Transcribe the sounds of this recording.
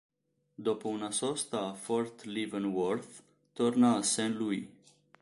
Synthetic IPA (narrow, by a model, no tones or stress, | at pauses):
d̪opəunasost̪afort̪livənworθ | t̪ornasɛnluj